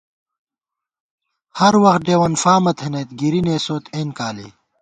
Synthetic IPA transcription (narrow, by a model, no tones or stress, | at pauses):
hɐɾwɐxt̪̚ɖeːwɐnfaːmɐt̪ʰenɐjt̪ɡiɾineːsoːt̪ʰeːnkaːlḭː